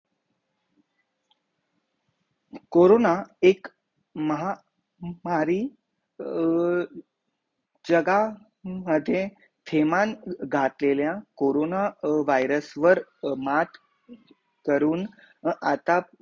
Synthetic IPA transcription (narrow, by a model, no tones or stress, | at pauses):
koɾonaek | məɦa | maɾiː | d͡ʑəɡa | məd̪ʱːjẽ | t̪ʰemanɡʱat̪leljãkoɾonaʋajɾəsʋəɾmat̪ | kəɾuːn | at̪a